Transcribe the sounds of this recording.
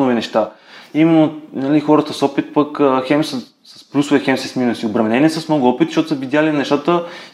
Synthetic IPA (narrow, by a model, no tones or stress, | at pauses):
nɔvinɛʃt̪a | imɛnːonɐlixɔɾət̪əsɔpit̪̚pəkəxɛmsə | ssplʲusʊvɛxɛmsisminusiʊbɾɐmɛnɛniɛsəsmnɔɡʊɔpit̪ʃot̪ʊsəvid̪jalinɛʃt̪at̪ə